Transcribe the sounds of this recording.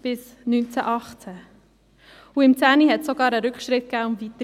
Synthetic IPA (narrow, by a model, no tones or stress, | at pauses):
b̥ɪs | nynt͡sæʔɑχt͡sæ | uɪmt͡sæːniɦɛtsoɡɑːɾəɾʏkχʃɾɪt̪̚kæːʊmvit̪ə